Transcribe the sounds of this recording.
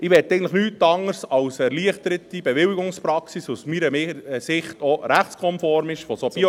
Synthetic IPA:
ɪʋɛt̪ːɛɪɡn̩tləχnyːtɑŋəɾsɑwsɛɾliəχt̪əɾətib̥ɛʋɪwiɡʊŋspɾɑksisusmiːɾəmɪsɪχt̪ɔɾæχtt͡skʰɔmfɔɾmɪʃfɔsob̥i

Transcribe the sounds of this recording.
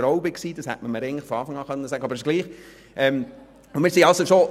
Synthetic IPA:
ɾɔʊbɪksiːd̥ɑshæ̰tməməɾɛɪəntlɪχfɔɑːfɑŋɑːχœnːəsæːɡəɑbɾsɡliːχ | ʔɛm | ʊmɪːɾsiɑlsoʃo

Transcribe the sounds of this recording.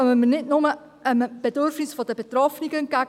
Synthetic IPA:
məmənɪtnʊmə | ʔəmb̥edʏɾfnɪsfodəbet̪rɔfniɡən̚ɡæ

